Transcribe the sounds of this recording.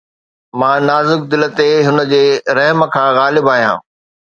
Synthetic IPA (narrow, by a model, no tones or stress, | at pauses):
mãːnaːzʊk̚d̪ɪlət̪eɦʊnə̆d͡ʑeːɾɐɦmə̆kʰãːɣaːlɪbaːɦijã̰ː